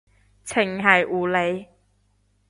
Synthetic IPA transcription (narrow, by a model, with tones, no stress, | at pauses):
t͡sʰɪ˨˩ŋɦɐ˨˩jʔuː˨˩le˨˧j